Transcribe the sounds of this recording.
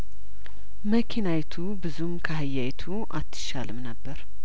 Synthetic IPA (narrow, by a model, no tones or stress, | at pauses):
məkʰinajt̪ʰubɨzumkʰəhɨjːajt̪ʰuʔa̰t̪ʰːɨ̥ʃalɨmnəbːəɾ